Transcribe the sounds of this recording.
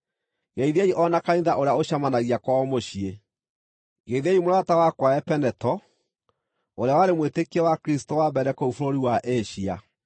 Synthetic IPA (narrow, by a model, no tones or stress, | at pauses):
ɡeiðiaiʔɔnakaiðaʔoɾeaoɕamanaɣiakwaɔmoɕie | ɡeðeimoɾatawakwaɛpɛnɛtɔ | oɾeawaɾemwetekiɛwakɾistowabɛɾɛkoufoɾoɾiwaʔeɕia